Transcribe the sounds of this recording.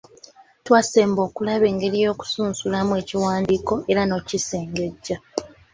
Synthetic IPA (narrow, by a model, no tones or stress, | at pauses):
twase̞ːmbo̞ːkulaβe̞ːŋɡe̞ɾijo̞ːku̥suːnsulamue̞ːciwaːndiːko̞ʔe̞ɾano̞ciseːŋɡe̞ɟːa